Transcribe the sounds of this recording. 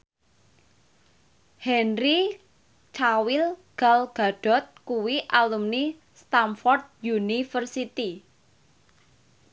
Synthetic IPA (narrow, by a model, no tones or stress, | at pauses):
hɛnri | t͡ʃawilɡ̥alɡ̥a̤ɖ̥ɔ̤t̪̚kuwiʔalumni | st̪amfɔrd̪̚junifərsit̪i